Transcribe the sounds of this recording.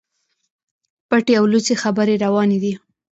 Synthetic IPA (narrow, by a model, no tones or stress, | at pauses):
paʈeawlut͡sexabəɾeɾawɑned̪i